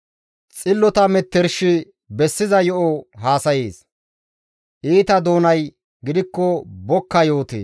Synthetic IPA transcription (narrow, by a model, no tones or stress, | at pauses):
t͡sʼɪlːɔt̪ɐmɛt̪ːɛɾʃɪ | bɛsːɪzɐjɔʔɔɦaːsɐjeːs | ʔiːt̪ɐd̪o̞ːnɐj | ɡɪd̪ɪkːɔbɔkːɐjo̞ːt̪ḛː